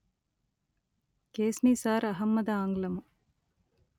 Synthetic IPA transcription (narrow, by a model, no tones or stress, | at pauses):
keːsniːsaːɾɐɦɐmːɐd̪ɐaːŋɡlɐmu